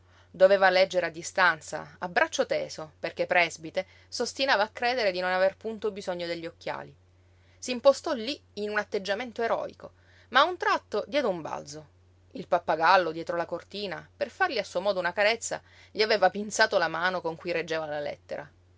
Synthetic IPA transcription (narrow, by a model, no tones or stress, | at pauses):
d̪oveːvalɛd͡ʒːeɾead̪ːist̪ant̪sa̰abːɾat͡ʃːot̪eːsoperk̟epːɾɛzbit̪e | sost̪inaːvaːkːɾeːd̪eɾed̪inonaverpunt̪obizoɲːod̪eʎːiokːja̰ːli | siːmpost̪ɔlːiinunat̪ːed͡ʒːament̪oeɾɔ̰ːḭko | maunt̪ɾat̪ːod̪jɛːd̪eumba̰ld̪zo | ilpapːaɡalːod̪jɛːt̪ɾolakort̪iːnaperfarʎiasːuomɔːd̪ounakaɾet̪sːa̰ | ʎiaveːvapinsaːt̪olamaːnokoŋkujɾed͡ʒːeːvalalɛ̰t̪ːeɾa